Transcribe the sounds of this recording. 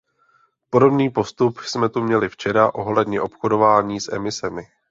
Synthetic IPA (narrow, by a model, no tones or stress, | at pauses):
po̞do̞bniːpo̞st̪upsmɛt̪umɲɛlɪft͡ʃɛɾaʔo̞ɦlɛdɲɛʔo̞pxodo̞vaːɲiːsʔɛ̰mɪsɛmɪ